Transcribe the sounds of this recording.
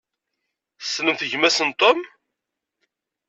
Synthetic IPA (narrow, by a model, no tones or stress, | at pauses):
θsnəmθəʝmæsənt̪ˤom